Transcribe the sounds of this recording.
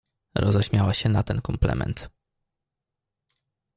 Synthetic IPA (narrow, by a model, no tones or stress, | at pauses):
ɾʔɔzɛɕmʲjawaɕɛnat̪ɛnkɔmplɛ̰mɛ̰nt̪